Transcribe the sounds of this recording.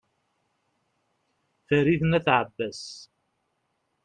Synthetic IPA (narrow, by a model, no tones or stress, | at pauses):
θəɾiθnæθʕəbːæs